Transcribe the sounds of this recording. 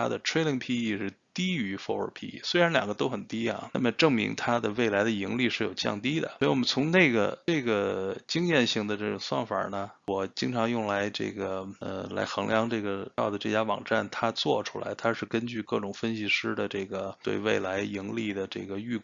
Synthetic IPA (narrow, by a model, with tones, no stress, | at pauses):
a̰˥d̪ə˨ʈ͡ʂʰɹe˥ɪli˧˥ŋpʰi˥i˥˩ʂɻ̩˥˩ | t̪i˥y˧˥fɔ̰˧˥ə̰˞˨˧˥pʰḭ˥˩ḭ˥˩swe˥ɪɻa˧˥nljɑ˨˩ŋɡə˦t̪o˥ʊxə˨˩nt̪i˥ɐ̰˨˧na̰˥˩mə˩ʈ͡ʂɤ˥˩ŋmḭ˧˥ŋt̪ʰa˥d̪ə˨we˥˩ɪla˧˥ɪd̪ə˧i˧˥ŋli˥˧ʂɻ̩˥˩jo˨˩ʊt͡ɕjɑ̰˥˧ŋt̪i˥d̪ə̰˨wɔ˧˥i˧wɔ˨˩mə˦nt͡sʰʊ˧˥ŋne˥˩ɡə̰˩ʈ͡ʂɤ˥˩ɡə˩t͡ɕi˥ŋjɛ˥˧nɕi˥˩ŋd̪ə˩ʈ͡ʂɤ˥˩ʈ͡ʂʊ˨˩ŋswɑ̰˥˩ŋfa̰˨˩nə˩wɔ˨˩t͡ɕi˥ŋʈ͡ʂʰɑ˧˥ŋjʊ˥˩ŋla˧˥ɪʈ͡ʂɤ̰˥˩ɡə˩ə̰˧la̰˧˥ɪxɤ˧˥ŋljɑ˧˥ŋʈ͡ʂɤ˥˩ɡə˩ɑ˥˩ʊd̪ə˩ʈ͡ʂɤ˥˩t͡ɕja˥ʋɑ̰˨˩ŋʈ͡ʂa̰˥˩nt̪ʰa˥t͡swɔ˥˩ʈ͡ʂʰu̥˥la̰˧˥ɪt̪ʰa˥ʂɻ̩˥˩kə˥nt͡ɕy˥˧kɤ˥˩ʈ͡ʂʊ˨˩ŋfə˥nɕi˧˩ʂɻ̩˥d̪ə˨ʈ͡ʂɤ˥˩ɡə˩t̪wḛ˥˧ɪwḛ˥˩ɪla˧˥ɪi˧˥ŋli˥˩d̪ə˩ʈ͡ʂɤ̰˥˩ɡə˩y˥˩